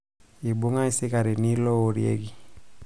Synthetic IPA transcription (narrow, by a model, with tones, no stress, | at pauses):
i˨bo˦ŋa˦i˦si˦ka˨ɾi˨ni˦lɔ˦o˨ɾḭ˨ḛ˦ɡi˨